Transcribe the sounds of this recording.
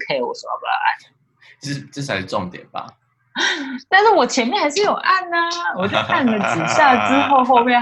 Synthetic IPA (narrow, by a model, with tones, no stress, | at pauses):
kʰe˥˧˩i˨˩wɔ̰˨˩sə˨˩ɑ̰˥˧˩pʔa̰˥˩n̩˥˩ | ʈ͡ʂə˥˧ʂ̩˥˩a˧ɪʂ̩˥˧˩ʈ͡ʂɔ˥˨ŋt̪jɛ̰˨˩nba̰˨ | t̪a˥˧nʂɻ̩˥˩wɔ˨˩t͡ɕʰjɛ˧˦nmjɛ˥˨nxa˧˥ɪʂ̬̩˥˩˨jo˨˩ʊʔa˥˩nːə˩wɔ˨˩t͡ɕo˥˧˩kʰa˥˩n˨d̪ə˨˩t͡s̩˨˩ɕja˥˩t͡sɻ̩˦˥xo˥˧ʊxo˥˧ʊmjɛ˥˧